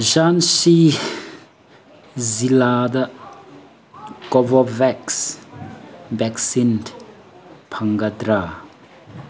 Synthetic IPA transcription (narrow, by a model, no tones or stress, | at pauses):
ʒansi | zilad̪a | kɔvɔvɛks | bɛksint | pʰaŋɡad̪ɾa